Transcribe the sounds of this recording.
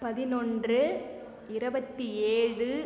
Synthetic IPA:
pɐðɪnɔndrɯ | ɪɾɯbɐt̪ːieːɻɯ

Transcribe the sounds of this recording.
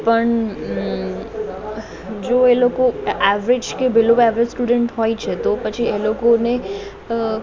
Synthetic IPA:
pəɳ | d͡ʒoelokoɛʋɾɪd͡ʒkebɪlobɛʋɾed͡ʒsʈuɖəɳʈɦɔit͡ʃʰet̪opət͡ʃʰielokone

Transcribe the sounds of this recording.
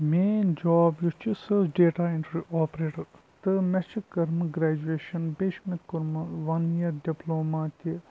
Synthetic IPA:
meːnd͡ʒaːbjut͡ʃʰisɨsɖeːʈaːɪɳʈɾiʔɔːpɾeːʈɐɾt̪ɨmɛt͡ʃʰikɐɾmɨɡɾaːd͡ʒueːʃɐnbeːʃmit̪kʊɾmɨʋɐnjɐɾɖiploːmaːt̪i

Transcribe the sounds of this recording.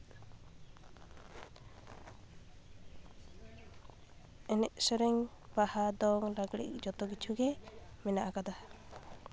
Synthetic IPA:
ɛnɛʔsɔɾɛŋ | bahad̪ɔŋɾaɡɽḭʔk̚d͡ʒɔt̪ɔɡit͡ʃʰuɡɛmɛnaʔakad̪a

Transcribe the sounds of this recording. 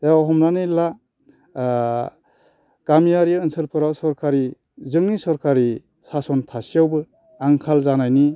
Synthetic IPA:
d̥aɦɔmnanɯla | ɡ̥amijaɾiɯnsɯlpʰɯɾawsɔɾkʰaɾi | zɯŋnisɔɾkʰaɾi | sasɔntʰasijawbɯ | aŋkʰalzanajni

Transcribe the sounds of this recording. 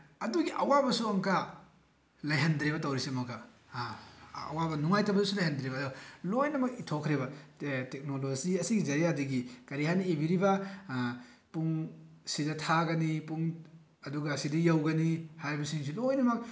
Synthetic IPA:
ɐduɡiʔɐwabɐsuɐŋka | lɐjɦɐndɾebɐtɐwɾisemɐkɐ | ɐ̰wabɐnuŋajtɐbɐdusulɐjhandɾebɐːduɡɐlojnɐmɐk̚itʰokʰɾebɐtek̚noloziɐsiɡid͡ʒɐɾijadɐɡikɐɾihaniebiɾibɐ | puŋsidɐtʰaɡɐnipuŋ | ɐduɡɐsidɐjawɡɐnihajɾibɐsiŋs̬ulojnɐmɐk̚

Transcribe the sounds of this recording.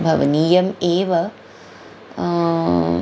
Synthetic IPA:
bʱɐ̰ʋɐniːjɐmeːʋɐ

